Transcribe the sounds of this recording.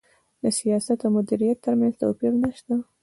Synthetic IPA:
d̪əsijɑsat̪amʊd̪iɾijat̪ːəɾmanz̥t̪a̰wpiɾnaʃt̪a

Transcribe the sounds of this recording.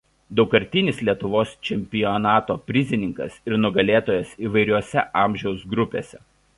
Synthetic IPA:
d̪ɒʊkɐɾʲt̪ʲɪnʲɪslʲiɛt̪ʊʋoːst͡ʃʲɛmʲpʲɪjɔnɑːt̪oːpʲɾʲɪzʲɪnʲɪŋkɐ̰sɪɾnʊɡɐlʲeːt̪oːjɛsiːʋɐɪɾʲuɔsʲɛʔɑːˑmʲʒʲɛʊsɡɾʊpʲḛːsʲɛ

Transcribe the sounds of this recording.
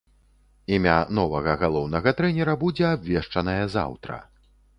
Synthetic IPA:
imʲa̰n̪ɔvɐɣɐɣalˠɔwnɐɣɐt̪ɾɛnʲɛɾɐbud͡zʲɛabvʲɛʂt͡ʂɐnɐjɐza̰wt̪ɾɐ̰

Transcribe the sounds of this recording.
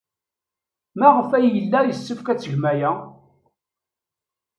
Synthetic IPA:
mæʁəfæjjəlːæjəsːəfkæt͡sːəʝmæjæ

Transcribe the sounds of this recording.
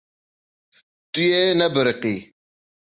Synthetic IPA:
tʼujenɐbəɾqi

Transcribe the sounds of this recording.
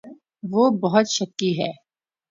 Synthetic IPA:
ʋoːbɐɦʊt̪ʃɐkːiɦɛ̰ː

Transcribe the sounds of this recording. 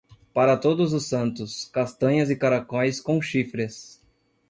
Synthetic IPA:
paɾɐt̪od̪ʊzʊsːɐ̃nt̪ʊskast̪ɐ̃ɲɐzɪkaɾakõjskõw̃ʃifɾɪs

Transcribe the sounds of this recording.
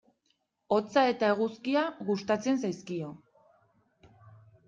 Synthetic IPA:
o̞t͡sae̞t̪ae̞ɣ̞uskiaɣust̪at͡se̞nsajskio̞

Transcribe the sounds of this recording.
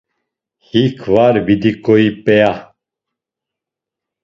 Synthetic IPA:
hikʰvaɾbid̪ikʼɔipɛa

